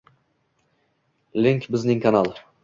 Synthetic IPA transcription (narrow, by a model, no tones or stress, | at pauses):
lʲiŋʲkbɪznɪŋkanalˠ